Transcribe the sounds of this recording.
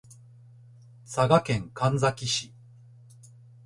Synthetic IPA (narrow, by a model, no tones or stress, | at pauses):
saɡakẽ̞ŋkãnd͡zakʲiɕi